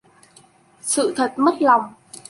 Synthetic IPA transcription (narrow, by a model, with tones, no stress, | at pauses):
sɨ̰˧˨t̪ʰə˨˩t̚mə˦˥t̚la˨˩wŋ͡m